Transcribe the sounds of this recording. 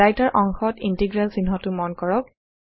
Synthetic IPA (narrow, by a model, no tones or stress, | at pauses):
ajtaɹʔɔŋxɔtintiɡɹalsinɦɔtʊmɔnkɔɹɔk̚